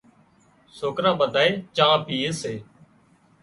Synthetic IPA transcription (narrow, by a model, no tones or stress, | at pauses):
soːkɾãːɓəd̪ʱaːeːt͡ʃãːpʰiːeːseː